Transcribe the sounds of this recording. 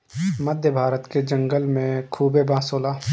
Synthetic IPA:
məd̪ʱjəbʱaːɾət̪ked͡ʒə̃ŋɡəlmẽkʰuːbebãːsoːlaː

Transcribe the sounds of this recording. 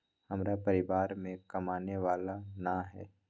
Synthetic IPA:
hɐmɾapɐɾɪʋaːɾmẽkɐmaːneʋaːlanaɦɛ̰ː

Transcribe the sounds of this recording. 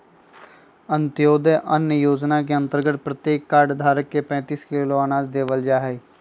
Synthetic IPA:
ənt̪ɪjoːd̪əʔənjəjoːd͡ʒnak̬eə̃nt̪əɾɡət̪̚pɾət̪jeːkːaːɖd̪ʱaːɾəkːepɛ̃ːt̪iːskɪloaːnaːd͡ʒd̪eːʋəld͡ʒaːɦɛː

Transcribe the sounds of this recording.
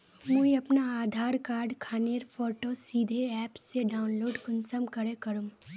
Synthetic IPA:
mũiɐpnaaːd̪ʱaːɾkaːɾɖkʰaːneɾfʰoːʈosiːd̪ʱeɛːpsːeɖaːʊnloːɖɡʊnsəmkɐɾekɐɾũː

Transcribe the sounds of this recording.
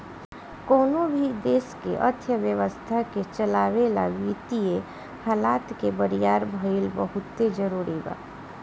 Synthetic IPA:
koːnõbʱid̪eːskḛʔə̰t̪ʰjəʋjəʋəst̪ʰaket͡ʃəlaːʋela̰ʋit̪ie | haːlaːt̪kebəɾijaːɾbʱəilbəɦʊt̪ːed͡ʒəɾuːɾiba̰ː

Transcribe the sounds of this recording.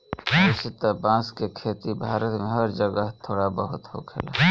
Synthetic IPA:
sɪt̪abãːskekʰeːt̪ibʱaːɾət̪mẽɦəɾd͡ʒəɡəɦt̪ʰoːɽabəɦʊt̪ho̰ːkʰela̰

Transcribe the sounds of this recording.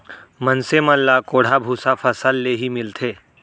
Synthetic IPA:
mənseməlːakoːɽ̤abʱuːsafʰəsəlːeɦimɪlt̪ʰeː

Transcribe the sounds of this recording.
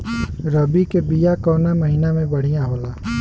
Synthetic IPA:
ɾəbikebijakɔːnaməɦinamẽbəɽ̤ijãɦoːlaː

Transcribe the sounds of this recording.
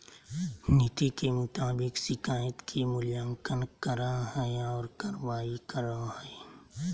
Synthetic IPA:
nɪt̪ikemʊt̪aːbɪksɪkaːjət̪kʰimʊljə̃ŋkənkəɾaɦɛeɔːɾkɐɾʋaːikəɾahɛe

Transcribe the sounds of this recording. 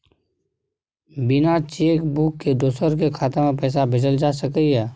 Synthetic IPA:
bɪnat͡ʃeːkbukːed̪oːsəɾk̬ekʰaːt̪emẽpɛːs̬abɪd͡ʒəld͡ʒaːsəkəiɦɛː

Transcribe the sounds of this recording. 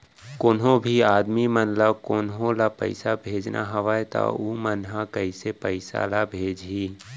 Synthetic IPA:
kʊnɦõbʱiaːd̪mimənlakʊnɦõlapə̰ɪsabʱeːd͡ʒnʔa̰ɦɐʋaːet̪a̰uːmənɦakəisepəɪsa̰labʱeːd͡ʒɦiː

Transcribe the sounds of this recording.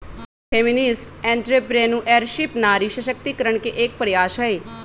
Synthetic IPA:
pʰeːmɪnɪsʈɛ̃ːɳʈɾeːpɾeːnũːʔɛːɾʃɪpnaːɾiːʃəʃək̚t̪iːkəɾəɳkeʔeːk̚pəɾjaːʃaːeː

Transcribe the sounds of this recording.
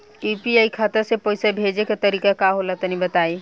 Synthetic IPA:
juːpiaːikʰaːt̪əɾsepoːɪsebʱed͡ʒekat̪ɐɾiːkakaɦolat̪nibət̪aːi

